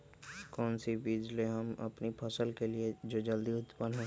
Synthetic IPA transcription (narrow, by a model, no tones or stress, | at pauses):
kɔːnsibiːd͡ʒleɦɐmɐ̰pnipʰɐsəlkelied͡ʒoːd͡ʒɐld̪iʊt̪pənɦɛ̃